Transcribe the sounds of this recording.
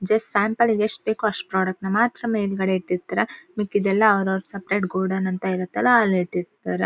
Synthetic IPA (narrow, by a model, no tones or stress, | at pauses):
d͡ʒɐsʈsaːmpɐliɡeʂʈ̚beːkuɐʂʈpɾaːɽɐk̚ʈnɐmaːt̪ɾɐmeːlɡɐɽeiʈːiɾt̪ːaːɾemikːid̪ɛlːɐːʋɾɐʋɾusɐpɾeːʈɡoːɖɐnɐnt̪aiɾut̪ːɐlːɐːliʈːiɾt̪aɾe